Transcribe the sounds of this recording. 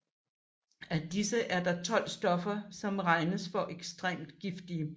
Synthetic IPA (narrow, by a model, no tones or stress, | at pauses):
æd̥isəʔæɐd̥ɑ̈t͡sʰɒ̽l̰sd̥ɒ̽fɐsɒ̽mʁɑ̈ɪnəsfɒ̽ʔeɡ̥sd̥ʁḛːmd̥ɡ̥ifd̥iə